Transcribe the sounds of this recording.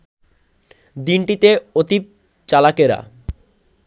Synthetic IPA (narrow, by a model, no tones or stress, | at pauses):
d̪inʈit̪eot̪ip̚ | t͡ɕalakeɾa̰